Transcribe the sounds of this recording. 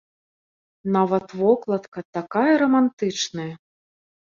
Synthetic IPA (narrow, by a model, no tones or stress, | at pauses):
navɐt̪vɔklˠɐt̪kɐt̪akajɐɾɐmant̪ɨt͡ʂnɐjɐ